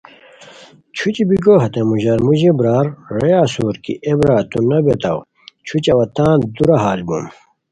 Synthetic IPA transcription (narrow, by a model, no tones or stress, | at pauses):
t͡ɕʰut͡ɕibiɡoɦɐt̪emuʑɐɾmuʑebɾaːɾɾejaːsuːɾkḭʔebɾaːt̪unɐbet̪ɐw | t͡ɕʰut͡ɕɐwɐt̪ãːd̪uɾɐɦaːlbṵm